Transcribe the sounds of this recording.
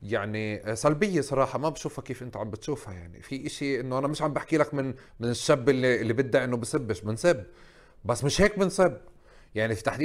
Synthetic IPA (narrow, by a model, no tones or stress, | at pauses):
jaʕnisælbɪjːesˤɑɾˤɑːħɑmabʃuːfhakeːfʔɪnt̪aʕambɪt̪ʃuːfha̰jaʕnḭfiʔɪʃiʔɪnːoʔanamɪʃʕambaħkiːlakmɪn | mɪnɪʃːabːɪlːiʔɪlːibɪd̪ːaʔɪnːobɪsɪbːɪʃbɪnsɪb | basːmɪʃheːk̚bɪnsɪb | jaʕnifit̪aħd̪iː